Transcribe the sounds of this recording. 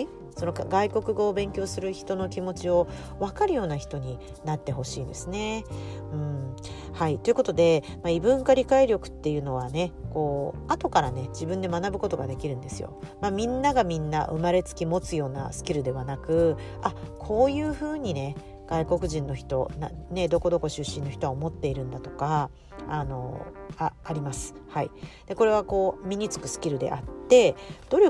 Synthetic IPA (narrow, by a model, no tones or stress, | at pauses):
so̞nokaɡaiko̞kɯ̟ɡo̞ːbẽ̞ŋkʲo̞ːsɨɾɯ̟çi̥t̪o̞no̞kʲimo̞t͡ɕio̞ | βakaɾɯ̟jo̞ːnaçi̥t̪o̞ɲ̟i | nat̪ːe̞ɦo̞ɕḭːnd̪e̞sɨne̞ɯ̟̃ɴ | hait̪o̞jɯ̟ko̞t̪o̞d̪e̞ | maibɯ̟̃ŋkaɾʲikaiɾʲo̞kɯ̟̥t̪ːe̞jɯ̟ːno̞β̞ane̞ko̞ːat̪o̞kaɾane̞d͡ʑibɯ̟̃nd̪e̞manabɯ̟ko̞t̪o̞ɡa̰d̪e̞kʲiɾɯ̟̃nd̪e̞sɨjo̞̰ | mamʲĩnːaɡamʲĩnːa̰ʔɯ̟̰maɾe̞t͡sɨ̥kʲimo̞t͡sɨjo̞ːna̰sɨ̥kʲiɾɯ̟d̪e̞βanakɯ̟akʰo̞ːjɯ̟ːɸɯ̟ːɲ̟ine̞ | ɡ̥aiko̞kɯ̟ʑĩnːo̞çi̥t̪o̞nane̞d̪o̞ko̞d̪o̞ko̞ɕɨɕːĩnːo̞çi̥t̪o̞aomo̞t̪ːe̞iɾɯ̟̃nd̪at̪o̞ka | ano̞̰aːɾʲimasɨ̥haid̪̥e̞ko̞ɾe̞β̞ako̞ːmʲiɲ̟it͡sɨ̥kɯ̟sɨ̥kʲiɾɯ̟d̪e̞̰ʔat̪ːe̞d̪̥o̞ɾ